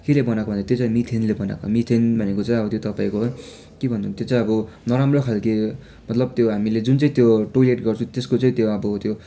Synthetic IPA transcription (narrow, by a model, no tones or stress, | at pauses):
kelebʌnakobʱʌnd̪at̪jot͡sãĩmit̪ʰenlebʌna̰komit̪ʰenbʱʌnekot͡saĩʌbʌt̪jot̪ʌpaĩkoɦ | kebʱʌnd̪unt̪jot͡saĩʌbʌnʌɾamrokʰalke | mʌt̪lʌb̚t̪joɦamiled͡zunt͡sʌĩt̪joʈoleʈɡʌrt͡sʰũt̪eskot͡saĩt̪joʌbʌt̪jo